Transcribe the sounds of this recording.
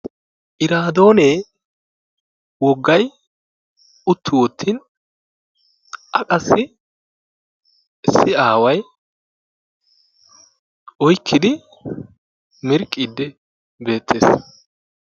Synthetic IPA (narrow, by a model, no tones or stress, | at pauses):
ʔɪɾaːd̪o̞ːneː | wɔɡːɐj | ʊt̪ʰːʊwɔt̪ʰːiːn | ʔɐkʼɐsːɪ | sːɪaːwɐj | ɔjkʰːɪd̪ɪ | mɪɾkʼːid̪ːɛ | be̞ːt̪ʰːeːs